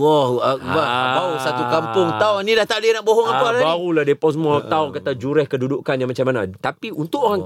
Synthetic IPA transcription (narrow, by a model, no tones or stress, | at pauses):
wɔhak̚bahbausat̪ukampʊŋt̪aɔŋnĩdaht̪aʔdianaʔboɦɔŋapalabaɾulahdepasəmũat̪aʊŋkat̪ad͡ʒuɾɛhkədudukanjãŋmat͡ʃamanat̪apiunt̪ʊʔoɾaŋ